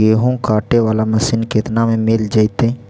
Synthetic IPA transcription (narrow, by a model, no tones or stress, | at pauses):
eːɦõkaːʈeʋaːlamɐsinket̪namẽmɪld͡ʒaːit̪ẽː